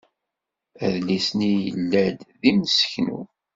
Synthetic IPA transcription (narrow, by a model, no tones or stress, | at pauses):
æðlisnijə̰lːæd̪ðimsə̥çnṵ